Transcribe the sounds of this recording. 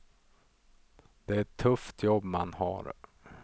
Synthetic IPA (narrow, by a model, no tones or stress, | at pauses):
d̪̥ɛɛʈʰːɵft̪ʰjɔbːmanha̰ɾ